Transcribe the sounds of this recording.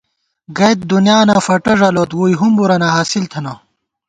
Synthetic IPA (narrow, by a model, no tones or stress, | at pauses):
ɡɐjt̪̚d̪unjaːnaːfɐʈɐʐɐloːt̪wuːjɦumbuɾɐnaɦaːsilt̪ʰɐna